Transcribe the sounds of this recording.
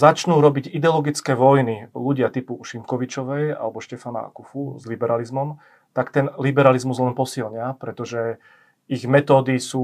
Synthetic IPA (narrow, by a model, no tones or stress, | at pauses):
zat͡ʃnuːɾɔbiɟid̪ɛɔlɔɡit͡skɛːʋɔjniluɟɪat̪ipuʃimkɔʋit͡ʃɔʋɛja̰lɛbɔʃcɛfana̰a̰kufuzlibɛɾalizmɔm | t̪akt̪ɛnlibɛɾalizmuzlɛnpɔsilɲɪapɾɛt̪ɔʒɛ | iɣmɛt̪ɔːd̪isuː